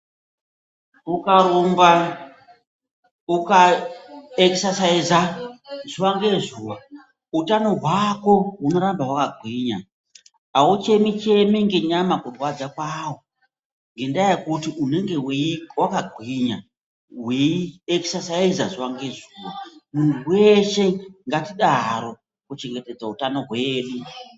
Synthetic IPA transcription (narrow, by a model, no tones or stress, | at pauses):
ukaɾomba | uka | eksasaizaʐ̥uwaŋɡe̞zuːwa | utano̞ɦwako̞ɦuno̞ɾambawakaɡʱwiɲa̰ | aut͡ʃe̞mit͡ʃe̞miŋɡeɲamakurwad͡zakwawo | ŋɡendajekutiʔune̞ŋɡe̞wwakaɡʱwiɲa | ɦwieki̥sasaizaʐiwaŋɡeʐuːwamun̤uwe̞ʃe̞ŋɡatiɗaɦaɾo̞ | kut͡ʃe̞ŋɡe̞te̞d͡zautano̞ɦwe̞ːɗu